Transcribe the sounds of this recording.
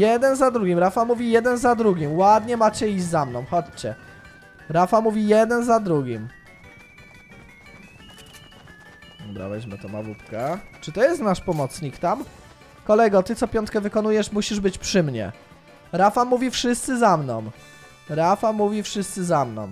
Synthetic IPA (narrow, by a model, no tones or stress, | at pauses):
jɛd̪ɛnzad̪ɾuɡʲimɾafamuvʲijɛd̪ɛnzad̪ɾuɡʲimwad̪ɲɛmat͡ɕɛiʑd͡ʑzamnɔ̃w̃xɔt͡ɕt͡ɕɛ | ɾafamuvʲijɛd̪ɛnzad̪ɾuɡʲim | ɔbɾa̰bɛd͡ʑmɘt̪ɔma̰vupkat͡ʂɘt̪ɔjɛst̪naʂpɔmɔt̪sɲikt̪am | kɔlɛɡɔt̪ɘt̪sɔpʲjɔ̃nt̪̚kɛvɘkɔnujɛʂmuɕiʐbɘt͡ɕpʂɘmɲɛ̰ | ɾafamuvʲifʂɘst̪sɘzamnɔ̰̃w̃ | ɾafamuvʲifʂɘst̪sɘzamnɔ̰̃w̃